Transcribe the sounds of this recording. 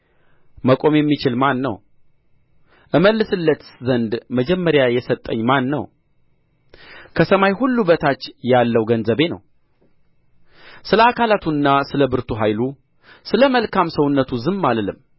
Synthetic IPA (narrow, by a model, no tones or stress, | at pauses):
məkʼo̞mjɛmːit͡ʃɪlmanːə̰w | ʔɨməlːɨsɨlːət̪zənd̪məd͡ʒɛmːəɾjajɛsət̪ʼːəɲːmanːə̰w | kʰəsəmajhulːubət̪ʰat͡ʃːjalːəwɡənzəβe̞nə̰w | sɨləakʰalat̪ʰuɨnːasɨləbɨɾt̪ʰuɦajlu | sɨləməlkʰamsəwʊnːət̪ʰuzɨmːaləlɨm